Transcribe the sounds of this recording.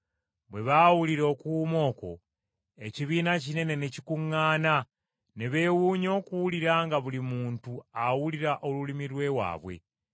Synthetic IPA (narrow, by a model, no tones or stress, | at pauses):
βwe̞βawuliɾo̞kumo̞ːko̞̰ | e̞ciβiːnacine̞ne̞necikuŋːaːna | neβe̞wuːɲo̞ːkuwuliɾaːŋɡaβulimuːntuawuliɾaʔo̞lulimiɾwe̞wa̰ːβwe̞̰